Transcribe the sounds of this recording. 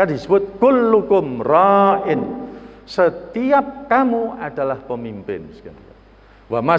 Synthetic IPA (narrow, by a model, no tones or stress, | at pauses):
kandisəbʊt̪̚kʊlːukʊmraʔɪnsət̪iap̚kamuad̥alahpəmimpɪ̰nska̰nk | wama